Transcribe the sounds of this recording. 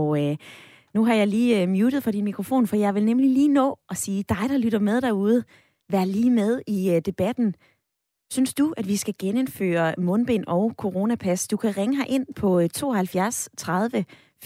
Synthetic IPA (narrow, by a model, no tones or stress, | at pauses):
nuɦɑ̈jɑ̈ɪliːmjuːɾ̥ð̩ˠfɒ̽ɾ̥inmikʰʁofo̝̰ːnfɒjɑ̈ɪʋelnemliliːnɔ̰̽ːʔɒ̽siːd̥ɑ̈ɪɾ̥ɑ̈lyɾ̥ɐmeð̞ˠd̥ɑuːð̞ˠə | ʋæɐliːmeð̞ˠid̥e̝b̥æd̥n̩ | synsd̥uʔæd̥ʋisɡ̥æɡ̥ene̝nfø̰ːɐmɔ̽nb̥e̝̰ːnɒ̽ʊkʰo̝ʁo̝ːnæpʰæsd̥ukʰæʁeŋəɦɑ̈ʔe̝n̰pʰɒ̽t͡sʰo̝̰ːhælfjæɐst͡sʰʁɑð̞ˠʋə